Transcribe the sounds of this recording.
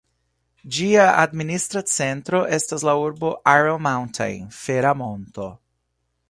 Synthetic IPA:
d͡ʒiaa̰d̪minist̪ɾat͡sent̪ɾoʔestaslauɾboʔaɹelmawntʰa̰jnfeɾamõnto

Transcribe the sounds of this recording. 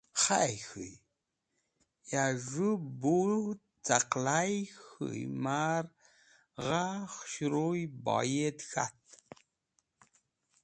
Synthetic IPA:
χajxɨ̰j | jaʐubu | t͡sʼaqlajxɨ̰jmar | ʁaχʃɾojba̰jet̪xa̰t̪

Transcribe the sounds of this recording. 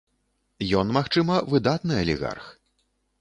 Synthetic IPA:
jɔnmaxt͡ʂɨmɐvɨd̪at̪nɨɐlʲḭɣa̰rx

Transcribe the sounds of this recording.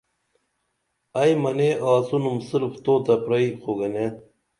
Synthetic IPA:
ɐjmɐneʔaːsunumsɨlft̪oːt̪ɐpɾɐixoɡɐne

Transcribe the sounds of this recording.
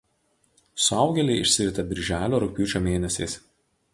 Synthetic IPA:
sʊɑʊɡʲɛlʲɛɪɪʃʲsʲɪɾʲɪt̪ʲɐbʲɪɾʲʒʲæːlʲoːɾʊkʲuːt͡ʃʲoːmʲeːnʲɛsʲɛɪs

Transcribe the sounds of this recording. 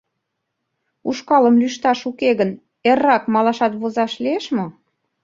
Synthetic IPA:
uʃkɑləmlyʃt̪ɑʃukeɣən | erːɑkmɑlɑʃɑt̪βozɑʃlieʃmo

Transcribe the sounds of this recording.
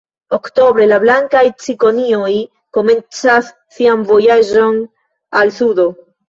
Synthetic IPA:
okto̞bɾe̞lablaŋkajt͡siko̞nioj | ko̞me̞nt͡sasːiamvo̞jaʒo̞n | alsudo̞

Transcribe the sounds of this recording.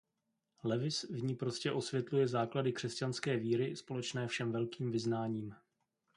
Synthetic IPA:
lɛvɪsvɲiːpɾo̞scɛʔo̞svjɛt̪lujɛzaːkladɪkr̥ɛscanskɛːviːɾɪspo̞lɛt͡ʃnɛːfʃɛmvɛlkiːmvɪznaːɲiːm

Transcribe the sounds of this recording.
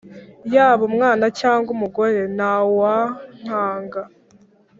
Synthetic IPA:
jaːβumŋaːnacaːŋɡumuɡo̞ɾe̞nawaŋ̥aːŋɡa

